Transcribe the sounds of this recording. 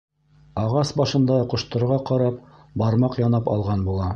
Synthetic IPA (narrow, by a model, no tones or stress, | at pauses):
ɑʁɑsbɑʃɤ̆nd̪ɑqŏʃt̪ɤ̆ɾʁɑqɑɾɑp | bɑɾmɑqjɑnɑpɑ̰lˠʁɑnbulˠɑ